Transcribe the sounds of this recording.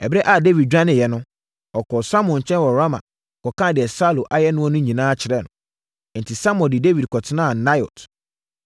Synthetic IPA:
ɛ˨bɪ˦ɛ˦ʔa˨de˦vi˨d̚d͡ʑᶣã˦nɪ̃˨jɛ˨nʊ̃˦ | ɔ˨kʰɔ˨sa˦m˨ɔ̃˨ɲ˨t͡ɕʰɛ̃˦nwɔ˨ɾa˦mã̰˨ | kɔ˨kã˦˨dɪ˨ɛ˨sa˦lo˨ʔa˨jɛ˦nʊ̃˦ɔ˦nʊ̃˦ɲĩ˨nãː˦t͡ɕʰɪ˨ɾɛ˦˨nʊ̰̃˨ | n̩˨tʰi˨sa˦m˦ɔ̃˨dɪ˨de˦vi˨d̚kʰɔ˨tʰɪ˦nãː˦˨na˦jɔ̰˨t

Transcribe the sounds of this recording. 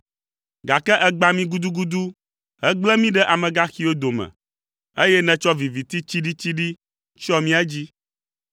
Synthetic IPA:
ɡa˨kɛ˦ʔɛ˦ɡ͡ba˦mĩ˦ɡu˦d̪u˦ɡu˦d̪u˦ | ɦɛ˦ɡ͡blɛ˦mĩ˦ɖɛ˦ʔa˨mɛ̃˨ɡa˦xi˦o˦d̪o˨mɛ̰̃˨ | e˦jɛ˦nɛ̃˨t͡ʃɔ˦vi˨vi˨t̪i˦t͡ɕi˦ɖi˦t͡ɕi˦ɖi˦ | t͡ʃɔ˦mĩ˦ɛ˦d͡ʑi˦

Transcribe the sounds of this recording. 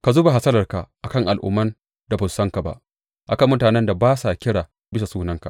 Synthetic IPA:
ka˨zuː˦ba˨ɦa˨sɐ˦lɐ˨rka˨ʔa˨kɐ˦˨ŋʔa˨lʔʊ̰˦mːɐ˦n | da˨bʊ˨nsɐ˦ŋka˨ba̰˦ʔ | ʔa˨kɐ˦mːʊ˦taː˨nɛ˦nda˨baː˦sa˨kʲɪ˦ɽaː˨ | bɪ˦sa˨suː˦nɐ˦ŋka˨ʔ

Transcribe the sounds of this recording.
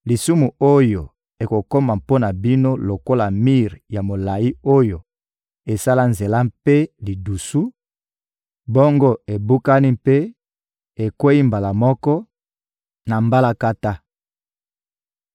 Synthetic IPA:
li˨su˦mu˨o˦jo˨ | e˨ko˨ko˦ma˨mpo˦na˨bi˦no˦lo˨ko˦la˨mi˦ʁja˨mo˨la˨i˦o˦jo˨ | e˨sa˦la˦nze˨la˦pe˦li˨du˨su˦ | bo˦ŋɡo˦e˨bu˦ka˦ni˦pe˦ | e˨kwe˦i˦mba˨la˨mɔ˦kɔ˦ | na˨mba˦la˦ka˦ta˦

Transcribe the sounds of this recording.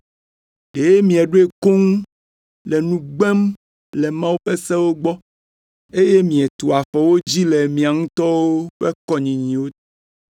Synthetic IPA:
ɖe˨je˦mĩ˨ɛ˨ɖo˦e˦˨ko˦ŋ˦ | lɛ˨nũ˦ɡ͡bɛ˦m | lɛ˨mã˦wu˦ɸe˦sɛ̃˦wo˦ɡ͡bɔ˦ | e˦je˦mĩ˨ɛ˨t̪o˨a˨ɸɔ˨wo˦d͡ʑi˦le˨mĩ˨a˨ŋũ˦t̪ɔ˦wo˦ɸe˦kɔ˦ɲĩ˨ɲĩ˨wo˦

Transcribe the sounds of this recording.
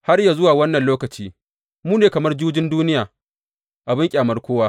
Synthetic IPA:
ha˦rjaː˨zʊ˦waː˨wɐ˦nːɐ˨nloː˦kɐ˨t͡ʃiː˦ | muː˦neː˨kɐ˨mɐ˦rd͡ʒuː˦d͡ʒɪ˦nduː˦nɪ˦jaː˨ | ʔa˨bɪ˦ŋkʲʼaː˨mɐ˦rkʷoː˦waː˦

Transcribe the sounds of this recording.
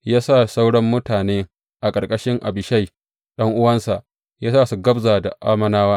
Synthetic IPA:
jaː˦sa˦˨sa˦wɽɔ˦mːʊ˦taː˨neː˦ | ʔa˨kʼɐ˨rkʼɐ˦ʃɪ˦ŋʔa̰˨bɪ˨ʃa˦j | ɗɐ˦ŋʔʊ˦wɐ˦nsa˨ʔ | jaː˦saː˦˨su˨ɡɐ˦bzaː˨da̰˨ʔa̰ː˦mɐ˦naː˦waː˦

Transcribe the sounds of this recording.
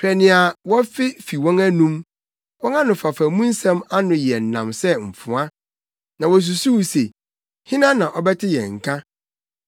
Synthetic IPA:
pʰɾɛ˨nɪ̃˨a˨wɔ̃˦fɪ˦fi˨wɔ̃˦ŋæ˦nũ˦m | wɔ̃˦ŋa˦nʊ̃˨fa˨fa˨˦mũ˦n̩˦sɛ̃˦ma˦nʊ̃˨jɛ˨n̩˨nã̰˨msɛ˦ɱ̩˨fʊ̃˨a˦ | nã˨wɔ˨s̬u˨su˦wu˨se˨ | hĩ˦nã˦nã˨ʔɔ˦bɛ˦tʰɪ˦jɛ̰˨ŋ̩˨kʰã˦

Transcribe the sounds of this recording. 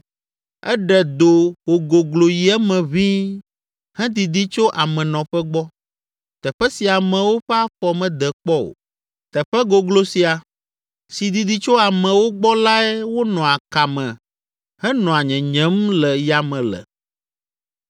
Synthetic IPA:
ɛ̰˦ɖɛ˨d̪o˨wo˨ɡo˨ɡlo˨ji˨ɛ˦mɛ̃˨βĩ˦ | hɛ̃˦d̪i˨d̪i˦t͡ʃo˦ʔa˨mɛ̃˨nɔ̃˨ɸɛ˦ɡ͡bɔ˦ | t̪ɛ˨ɸɛ˦si˨a˨mɛ̃˨wo˦ɸɛ˦a˦ɸɔ˨mɛ̃˨d̪ɛ˨k͡pɔ˦o̰˨ | t̪ɛ˨ɸɛ˦ɡo˨ɡlo˦si˨a˨ | si˨d̪i˨d̪i˦t͡ʃo˦a˨mɛ̃˨wo˦ɡ͡bɔ˦la˦ɛ˦wo˦nɔ̃˨a˨ka˨mɛ̃˨ | hɛ˦nɔ̃˨a˨ɲɛ̃˨ɲɛ̃˦mlɛ˨ja˨mɛ̃˨lɛ̰˨

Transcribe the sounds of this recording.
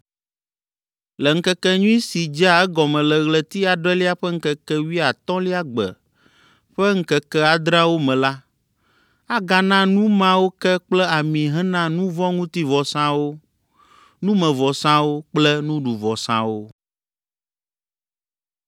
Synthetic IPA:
lɛ˨ŋ̩˦kɛ˦kɛ˦ɲũ˦i˦si˨d͡ʒa˦ɛ˦ɡɔ˨mɛ̃˨lɛ˨ɣlɛ˨t̪i˦a˨ɖɛ˦li˦a˦ɸɛ˦ŋ̩˦kɛ˦kɛ˦wi˦a˨t̪ɔ̃˦li˦a˦ɡ͡bɛ̰˨ | ɸɛ˦ŋ̩˦kɛ˨kɛ˦a˨d̪ɾa˦wo˦mɛ̃˨la˦ | a˦ɡa˨nã˦nũ˦mã˦wo˦kɛ˦k͡plɛ˦a˨mĩ˨ɦɛ̃˦nã˦nũ˦vɔ˦ŋũ˦t̪i˦vɔ˨sã˦wo˦ | nũ˦mɛ̃˨vɔ˨sã˦wo˦k͡plɛ˦nũ˦ɖu˨vɔ˨sã̰˦wo˦

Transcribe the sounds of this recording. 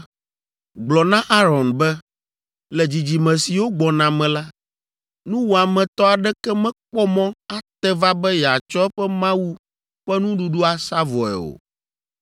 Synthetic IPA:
ɡ͡blɔ˨nã˦ʔa˦ɾɔ˨nbɛ˦ | lɛ˨d͡ʑi˨d͡ʑi˨mɛ̃˨si˨wo˦ɡ͡bɔ˨nã˨mɛ̃˨la˦ | nũ˦wo˨a˨mɛ̃˨t̪ɔ˦a˨ɖɛ˦kɛ˦mɛ̃˦k͡pɔ˦mɔ̃˦a˦t̪ɛ˦va˦bɛ˦jɛ˨a˨t͡ʃɔ˦ɛ˦ɸɛ˦mã˦wu˦ | ɸɛ˦nũ˦ɖu˨ɖu˦a˨sa˦vɔ˨ɛ̰˨o̰˨

